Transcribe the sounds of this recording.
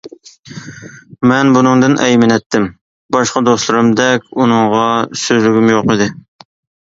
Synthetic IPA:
mɛnbunɨŋd̪ɨnʔɛjmɪnɛt̪ʰːɪm | bɑʃqɑd̪oslˠɨɾɨmd̪ɛkʲunɨŋʁɑsøzlyɡʲymjoqid̪ɪ

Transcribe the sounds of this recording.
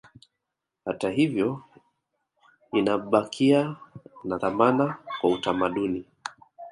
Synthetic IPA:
hataɦivjɔ | inaɓakʰianaðamanakwautamaɗuni

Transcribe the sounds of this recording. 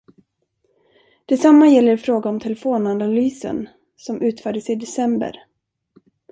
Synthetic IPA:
d̪̥ɛsamːajɛlːəɾfɾoːɡaɔmt̪ʰɛlɛfoːnanalyːsə̰n | sɔmʔʉ̟ːt̪fœːɖəsɪd̪ɛsɛmbə̰ɾ

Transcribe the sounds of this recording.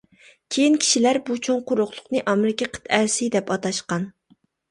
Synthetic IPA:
kʲʰejinkʲʰi̥ʃilæɾbut͡ʃʰoŋqʊɾʊχlˠʊqnɨʔɑmɪɾɪkʲɛqʰə̥t̪ʰæɾsɪd̪ɛpɑt̪ɑʃqɑn

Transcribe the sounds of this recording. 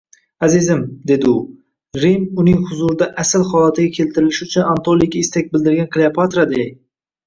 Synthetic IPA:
azɪzɪmd̪e̞d̪ɪʊ | ɾimʊnɪŋhʊzʊɾd̪aʔasɪlχɒlˠat̪ʰɪɡʲakʲʰe̞lt̪ʰɪɾɪlɪʃʊt͡ʃʰʊnant̪ʰolˠikʲaɪst̪ak̚ʲbɪld̪ɪɾɡʲankʰlˠeapʰat̪ɾad̪e

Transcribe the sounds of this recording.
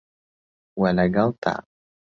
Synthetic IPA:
walaɡalt̪a̰

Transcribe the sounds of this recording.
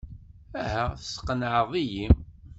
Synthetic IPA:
æɦæθəsqːənʕəðˤijim

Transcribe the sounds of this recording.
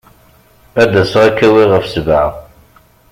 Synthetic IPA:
æd̪æsʁækːæwiʁəfsəvʕa

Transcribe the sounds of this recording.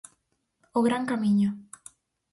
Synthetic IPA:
oɣɾaŋkamiɲo

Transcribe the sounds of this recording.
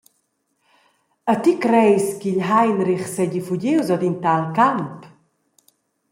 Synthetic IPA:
at̪ikɾɛjskiʎɦajnɾiχsɛɟifuɟiwzɔd̪int̪alkamp

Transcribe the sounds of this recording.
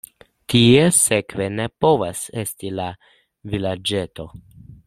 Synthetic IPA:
tʰie̞se̞kve̞ne̞po̞vase̞stila | vilad͡ʒe̞to̞

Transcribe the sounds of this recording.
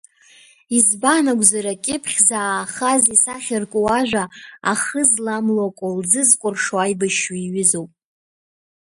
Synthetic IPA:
izbanaɡʷzaɾakʲʼɪpʰχʲzaːχazisaχʲɪrkʷʼowaʒᶣʷaa̰χəzlamlakʷʼold͡zɨzkʷʼʊrʂoajbaʃaiɥɪzowpʼ

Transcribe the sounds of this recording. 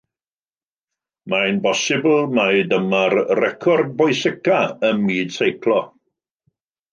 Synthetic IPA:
maɨnbɔsɪbl̩ˠmadəmarrɛkʰɔrd̚bɔjsɪkaəmmiːd̥sejkʰlˠɔ

